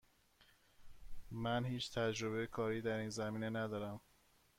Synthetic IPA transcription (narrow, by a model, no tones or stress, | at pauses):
mænhiːt͡ʃʰt̪ʰæd͡ʒɾoβejekʰɒːɾiːd̪æɾiːnzæmiːne̞næd̪ɒːɾæm